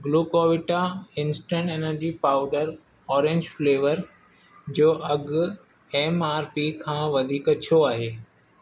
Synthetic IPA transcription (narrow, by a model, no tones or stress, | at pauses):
ɡluːkoːʋɪʈaɪ̃nsʈə̃ɳʈeːnəɾd͡ʑipaːʊɖəɾ | ɔːɾẽɲd͡ʑfleːʋəɾ | d͡ʑoːʔɐɡʊ | eːmaːɾpiːkʰãːʋɐd̪ʱiːkɐt͡ɕʰioaːɦeː